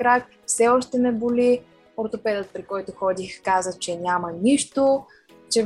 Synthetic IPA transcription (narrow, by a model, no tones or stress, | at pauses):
kɾak | fsɛɔʃt̪ɛnɛbʊli | oɾt̪opɛd̪ət̪̚pɾikɔjt̪ʊxɔd̪ixkazət͡ʃɛnʲamənʲiʃt̪o | t͡ʃɛ